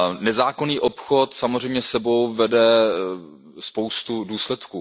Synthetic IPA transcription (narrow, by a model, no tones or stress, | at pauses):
nɛzaːkoniːʔopxo̞t̪samozrɛjmɲɛsɛbo̞wvɛdɛ | spowst̪uduːslɛt̪kuː